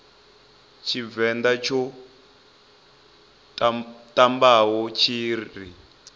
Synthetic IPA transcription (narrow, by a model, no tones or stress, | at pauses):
t͡ʃʰivɛnd̪at͡ʃʰɔ | tambaɦɔt͡ʃʰiːri